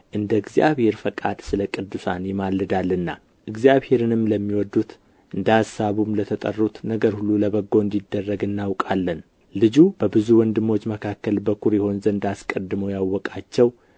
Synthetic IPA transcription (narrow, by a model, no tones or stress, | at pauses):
ʔɨnd̪əɨɡzja̰βhe̞ɾfəkʼad̪sɨləkʼɨd̪ːusanjɪmalːɨd̪alːɨnːa | ʔɨɡzjaβhe̞ɾɨnɨmləmːiwɔd̪ːut̪ | ʔɨnd̪əhasaβumlət̪ʰət̪ʼə̰rːut̪nəɡəɾhulːuləβəɡːo̞ɨnd̪id̪ːərːəɡɨnːawkʼalːən | lɨd͡ʒub̥əbɨzuwɔnd̪ɨmːo̞t͡ʃːməkʰakːəlbəkʰuɾjɛho̞nzənd̪askʼəd̪ːɨmojawːɔkʼat͡ʃːɛw